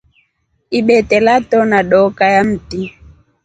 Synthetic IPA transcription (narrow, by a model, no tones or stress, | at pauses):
iɓɛtɛlatɔnaɗɔkajam̩ti